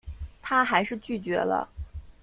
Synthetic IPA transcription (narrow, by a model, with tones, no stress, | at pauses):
t̪ʰa˥xa˧˥ɪʂɻ̩˥˧t͡ɕy˥˩t͡ɕɥɛ̰˧˥lə̰˧